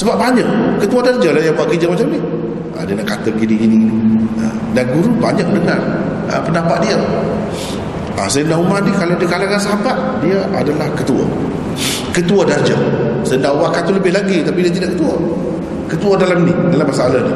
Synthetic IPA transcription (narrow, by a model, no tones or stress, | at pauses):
səbap̚baɲak̚kət̪uadard͡ʒalajabaʔkəd͡ʒəmat͡ʃamni | a̰diənaʔkat̪əɡiniɡininia̰ | danɡuɾubaɲak̚dəŋan | ə̰pəndapaʔ̪̚diə | asajəndaumadikalawdiəkalakansəɦabaʔ̪̚ | diəʔa̰dalahkət̪ua̰ | kət̪uadard͡ʒə̰sajəndaʔubakat̪uləbɪhlaɡit̪apidiət̪idaʔkət̪uwa | kət̪uadalaminidalamːasaʔalani